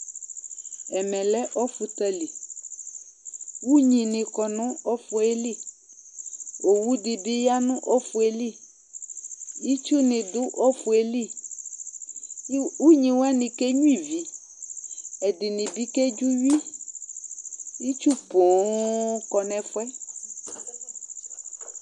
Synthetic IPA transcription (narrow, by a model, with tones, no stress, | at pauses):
ɛ˨mɛ̃˨lɛ˦ʔɔ˦fu˨t̪ɛ˨li˨ | wu˦ɲĩ˨nɪ̃˨kɔ˨nũ˦ɔ˦fu˨e˦li˦˨ | o˨wu˦di˨bi˦ja˦nũ˦ʔɔ˦fu˨e˨li˦ | i˦t͡ʃu˦nɪ̃˨dʊ˦ʔɔ˦fu˨e˨li˦ | wu˦ɲĩ˨wa˦nĩ˨ke˦ɲũ˦i˨vi˨ | ɛ˨dɪ˨nĩ˨bi˦ke˦d͡ʒu˦ɥi˦ | i˦t͡ʃu˦bo˨kɔ˨nɛ̃˨fʊ˦ɛ˦